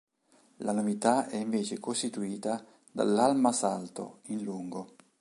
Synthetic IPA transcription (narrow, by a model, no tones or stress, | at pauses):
lanovit̪aɛiɱveːt͡ʃekost̪it̪uiːt̪a | d̪a̰lːalmasalt̪o̰inluŋɡo